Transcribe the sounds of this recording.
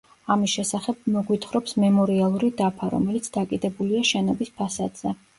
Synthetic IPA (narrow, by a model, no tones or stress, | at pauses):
amisʃɛsaχɛb̚mɔɡwit̪ʰχɾɔpsmɛmɔɾialˠuɾid̪apʰaɾɔ̰mɛlit̪sʰd̪akʼid̪ɛbuliaʃɛnɔbispʰasad̪z̥ɛ